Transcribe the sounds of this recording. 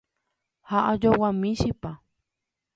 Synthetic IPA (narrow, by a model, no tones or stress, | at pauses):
haʔad͡ʒowamiʃipa